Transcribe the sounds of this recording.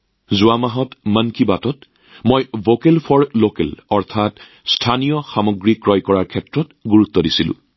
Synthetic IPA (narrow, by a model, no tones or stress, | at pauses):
zʊwamaɦɔtmənkibatɔt | mojvokelpʰɔɹlokḛlɔɹtʰat | stʰanijɔxamɔɡɹikːɹɔjkɔɹaɹkʰɛtɹɔtɡuɹut̪ːɔdisilʊ̰̃